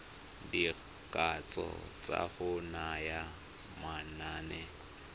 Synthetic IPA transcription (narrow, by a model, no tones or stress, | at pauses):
di | kʼat͡sʼɔ̰t͡sʼa̰hʊnaja | manaːnɛ